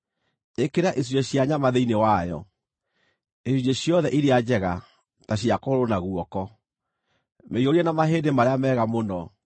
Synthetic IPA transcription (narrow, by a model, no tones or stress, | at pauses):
ekeɾaʔes̬ud͡ʒeɕjaɲamaðeinewajɔ̰ | esud͡ʑeɕjɔðɛʔiɾead͡ʑɛɣa | taɕiakoɾonaɣwɔkɔ | meioɾiɛnamaɦeːndemaɾeamɛːɣamonɔ